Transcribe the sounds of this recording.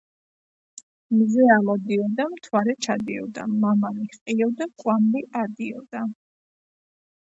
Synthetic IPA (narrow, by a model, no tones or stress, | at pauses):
mzɛalɔd̪iɔd̪amt̪ʰwaɾɛt͡ʃʰad̪iɔ̰d̪a̰mamaliqʼiɔd̪akʼwambiʔaɾd̪iɔd̪a